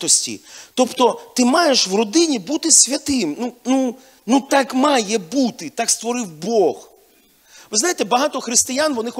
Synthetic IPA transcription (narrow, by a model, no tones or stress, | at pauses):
t̪ɔsʲtʲḭt̪ɔpt̪ɔt̪ɪmɑjeʃʋrɔd̪ɪnʲibut̪ɪsʲʋʲɐt̪ɪmnunu | nut̪ɑkmɑjɛbut̪ɪt̪ɑkst̪ʋɔɾɪwbɔɣ | ʋɪzajet̪ɛbɐɦɑt̪ɔxɾɪst̪ɪjanʋɔnɪx